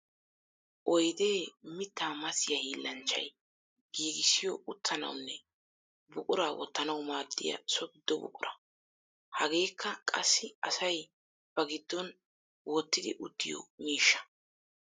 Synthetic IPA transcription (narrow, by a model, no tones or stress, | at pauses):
ʔɔjd̪e̞ːmɪt̪ːaːmɐsɪjɐhiːlːɐnt͡ʃːɐ̰j | ɡ̥iːɡɪsːɪjɔʔʊt̪ʰːɐnɐ̰wnːɛ | bʊkʼʊɾaːwɔ̰t̪ːɐnɐwmaːd̪ːɪ̰jɐ̰sɔɡɪd̪ːɔbʊ̰kʼʊɾɐ | hɐɡe̞ːkːɐkʼɐsːɪɐsɐj | b̥ɐɡɪd̪ːɔn | wʔɔt̪ːɪd̪ɪ̰ʔʊd̪ːɪ̰jɔ̰miːʃːɐ̥